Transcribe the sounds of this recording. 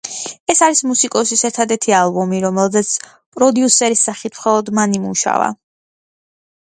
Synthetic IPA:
ɛsaɾismusikʼɔsisɛɾt̪ʰad̪ɛɾt̪ʰialˠbɔmiɾɔmɛlˠzɛt̪sʰ | pʼɾɔd̪iusɛɾisːaχit̪ʰmχɔlˠɔd̪manimṵʃa̰va̰

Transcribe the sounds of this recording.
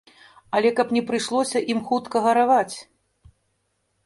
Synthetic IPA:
ɐlʲɛkɐpnʲɛpɾɨʂlˠɔsʲɐʔimxut̪kɐɣɐɾavat͡sʲ

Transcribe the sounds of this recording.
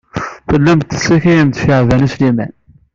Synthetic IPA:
θəlːæmt̪ːə̥siçijənt̪fəʕvænislimæ̰n

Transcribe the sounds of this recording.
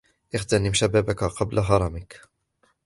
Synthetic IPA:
ʔɪxt̪anɪmʃabaːbakaqɑblʔaɦɑɾˤɑmɪk

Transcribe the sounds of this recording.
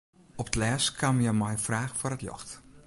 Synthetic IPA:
ɔptəlɛːskʰamjəmɔjfraːxforətlɔ̰xt

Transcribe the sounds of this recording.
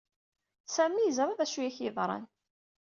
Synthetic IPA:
sæmijəzɾˤɑðæʃujæçɪðˤɾˤɑ̰n

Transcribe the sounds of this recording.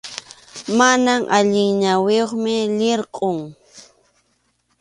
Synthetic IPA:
manamʔaʎɪŋɲaweoχmɪʎɪɾqʼʊŋ

